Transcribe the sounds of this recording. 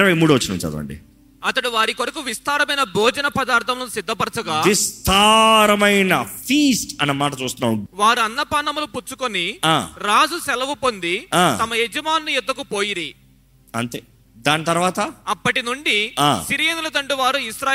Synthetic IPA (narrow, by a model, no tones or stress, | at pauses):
ɾɐʋɐjmuːɽuʋɐt͡ʃːɐnɐut͡ʃa̰d̪̰ɐ̰ɳɖḭ | ɐt̪ɐɽuʋaːɾikoɾɐkuʋist̪aːɾɐmɐjnɐbʱɔːd͡ʒɐnɐpɐd̪aːɾt̪ʰɐmlonsid̪ʱːɐpɐɾt͡ʃɐɡaːʋist̪ʰaɾɐmɐjnɐfʰiːsʈɐnːɐmaːʈɐt͡ʃuːst̪unːaːmʋaːɾuɐnːɐpaːnɐmuluput͡ʃːukoniaːɾaːd͡ʒusɛlɐʋupo̞nd̪iaːt̪ɐmɐjed͡ʒɐmaːnːujɛd̪ːɐkupoːjiɾi | ɐnt̪eː | d̪aːnit̪ɐɾʋaːt̪ɐɐpːɐʈinuɳɖiaːsiɾijenulɐt̪ɐɳɖuʋaːɾuisɾaː